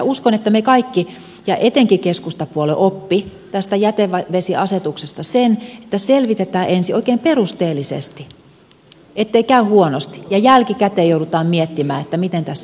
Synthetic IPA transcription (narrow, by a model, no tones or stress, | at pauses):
ɑuskonet̪ːæmekɑikːi | jɑʔet̪eŋkikeskust̪ɑpuoleʔopːit̪æst̪æjæt̪eʋɑʋesiʔɑset̪uksest̪ɑsene̥t̪ːæselʋit̪et̪æːʔensioikˑeːmperust̪eːlːˑisḛst̪i | et̪ːeikæyhuonost̪i̥jɑjælkikæt̪eːjouɾut̪ɑːmmiet̪ːimæ̰ːet̪ːæmit̪ent̪æsː